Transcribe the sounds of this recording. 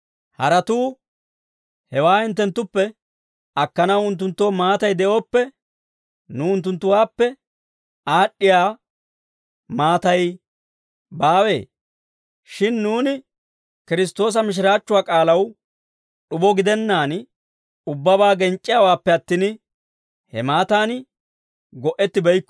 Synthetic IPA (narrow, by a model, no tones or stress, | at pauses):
hɐɾɐt̪uː | hɛwaːɪnt̪ːɛnt̪ːʊpːɛ | ɐkːɐnɐwʊnt̪̬ːʊnt̪ːo̞ːmaːt̪ɐjd̪ɛʔo̞ːpːɛ | nʊʊnt̪ːʊnt̪ːʊwaːpːɛ | aːɗːɪjaː | maːt̪ɐj | baːwe̞̰ː | ʃɪnːuːnɪ | kɪɾɪs̬t̪o̞ːs̬ɐmɪʃ̬ɪɾaːt͡ʃːʊwaːkʼaːlɐw | ɗʊbɔɡɪd̪ɛnːaːn | ʊbːɐbaːɡɛnt͡ʃʼːɪjawaːpːɛɐt̪ːiːn | hɛ̰maːt̪aːn | ɡɔʔɛt̪ːɪbɛjkː